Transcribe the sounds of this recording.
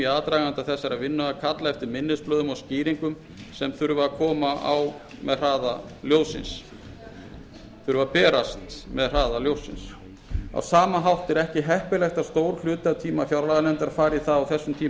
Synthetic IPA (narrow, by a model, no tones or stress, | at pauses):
iaːt̪ɾaːɣant̪aθɛsːaɾavɪnːʏakʰat̪laɛft̪ɪɾmɪnːɪsplœːðʏmɔsciːɾiŋkʏm | sɛmθʏɾvʏakʰɔːmaʔa̰wmɛðr̥aːðaljoːwsɪ̰ns | θʏɾvʏapɛːɾast̪mɛðr̥aːðaljowsːɪ̰ns | a̰wsaːmaɦawht̪ɛɾɛhcɪɦɛhpɪlɛxt̪ast̪owɾ̥l̥ʏːt̪at̪ʰiːmafjawɾalaɣanɛnt̪aɾfaːɾiθaðawθɛsːʏmt̪ʰiː